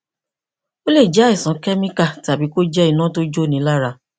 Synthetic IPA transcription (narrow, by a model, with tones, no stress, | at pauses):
o˦le˦˨d͡ʒɛ˨˦i˨sã˨˦kɛ˦mĩ˦ka˦˨ta˨bi˨˦ko˦d͡ʒɛ˦i˦˨nã˦to˦d͡ʒo˦˨nĩ˨˦la˦ɾa˧˨